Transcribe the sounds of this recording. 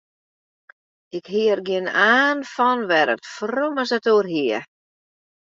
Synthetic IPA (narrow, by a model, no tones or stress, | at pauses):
ɪkhiərɡjɪnaːnfɔnʋɛɾə̰tfroməsətoːərɦiə